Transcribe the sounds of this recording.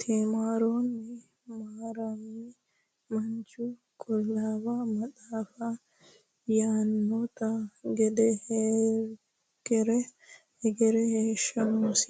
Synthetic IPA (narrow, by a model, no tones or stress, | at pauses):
t̪ʰeːmaːɾoːnːɪ | maːɾɐmːi | mɐnt͡ʃʊ | kʰʼɔlːaːwɐamɐtaːfɐ | jaːnːɔt̪ɐɡɛd̪ɛhe | ɡɛɾɛ | hɛɡɛɾɛheːʃɐmus